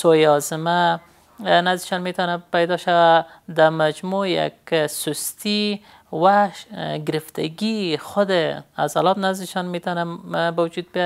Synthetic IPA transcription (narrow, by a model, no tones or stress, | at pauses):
sojɔzɪma | nazd̪ɪʃɔnmet̪ɔnapajd̪ɔʃawa | d̪amad͡ʒmoja̰ksʊst̪i | waʃɡɪɾɪft̪ʰa̰ɡixʊd̪ɪa̰zalɔt̪nazd̪ɪʃɔnmet̪ɔnabawʊd͡ʒud̪̚bj